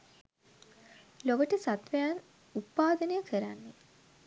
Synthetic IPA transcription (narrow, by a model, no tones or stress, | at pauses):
loʋəʈəsat̪ʋəjan | up̪ːaːd̪ənəjəkʰəɾanːe